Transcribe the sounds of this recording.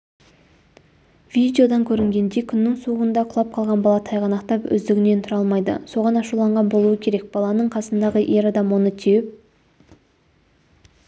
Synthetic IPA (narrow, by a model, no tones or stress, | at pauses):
vid̪ʲeo̞d̪ɑŋkʲʰɵɾɪŋɡʲe̞nd̪e̞kʲʰʏnːɪŋsuʁənd̪ɑqʰʊlˠɑp̚qʰɑlˠʁɑnbɑlˠɑt̪ʰɑjʁɑnɑqt̪ɑpʏ̰zd̪ɪɡʲɪne̞nt̪ʰʊɾɑlˠmɑjd̪ə̰so̞ʁɑnɑʃulˠɑɴʁɑnbo̞lˠuwəkʲʰe̞ɾe̞k̚b̥ɑlˠɑnəɴqʰɑsənd̪ɑʁəʔe̞ɾɑd̪ɑmwo̞nət̪ʰewɪp̚